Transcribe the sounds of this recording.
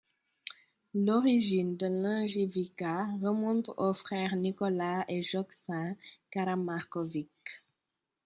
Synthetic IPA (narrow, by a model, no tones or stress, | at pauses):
lɔʁiʒind̪əlãʒivikaʁəmɔ̃t̪ofχɛːʁnikɔlaeʒɔksɛ̃kaɾamaʁkɔvik